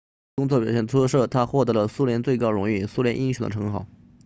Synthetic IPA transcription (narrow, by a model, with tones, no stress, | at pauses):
kʊ˥ŋt͡swɔ˥˩pjɛ˨˩ɕ̬ɛ˥˩nt̪ʰɔ˥ʂɤ˥˩t̪ʰa˥xwɔ˥˩t̪ɤ˧˥lə˧su˥ljɛ˧˥nt͡swe˥˩ɪkɑ˥ʊɻʊ˧˥ŋi˥˩su˥ljɛ˧˥nʔi˥nɕu˨˩d̪ə̰˦ʈ͡ʂʰɤ˧˥ŋxɑ˨˩˦ʊ